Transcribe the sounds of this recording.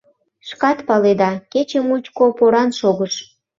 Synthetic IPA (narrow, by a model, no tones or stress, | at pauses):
ʃkɑt̪pɑled̪ɑket͡ɕəmut͡ɕkopoɾɑnʃoɣəʃ